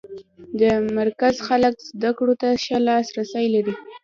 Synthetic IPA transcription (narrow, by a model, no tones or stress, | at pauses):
d̪əmaɾkazxaləkz̥d̪akɽot̪aʃalɑsɾasajlaɾi